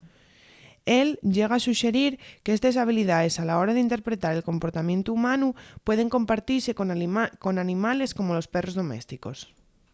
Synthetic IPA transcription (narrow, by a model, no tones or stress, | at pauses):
e̞lɟ͡ʝe̞ɣ̞aːsuʃe̞ɾiɾkeest̪es̬aβ̞iliðaðe̞salao̞ɾaðeint̪e̞ɾpɾe̞t̪aɾe̞lko̞mpoɾt̪amjẽ̞nt̪uːmãnupwe̞ð̞e̞ŋko̞mpaɾt̪iɾse̞koko̞nanĩmale̞sko̞mo̞lo̞spe̞ro̞zðo̞me̞̰st̪iko̞s